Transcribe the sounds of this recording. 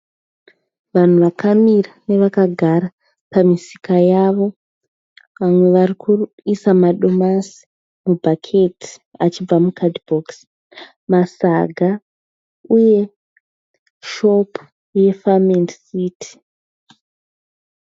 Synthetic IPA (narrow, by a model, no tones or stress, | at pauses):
ʋan̤uʋakʰamirane̞ʋakaɡʱaɾa | pamisi̥kajaʋo̞ | ʋamwe̞ʋarikʰu | isamaɗo̞masi̥ | mubʱakʰe̞tʰi̥at͡ʃib͡vamukʰadbʱoks | masaɡʱa | uje̞ | ʃo̞p | je̞famendsiːtʰi̥